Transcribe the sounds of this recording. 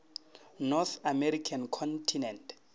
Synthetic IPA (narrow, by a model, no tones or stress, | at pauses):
nɔθamɛɾikʰankʰɔntʰinɛntʰ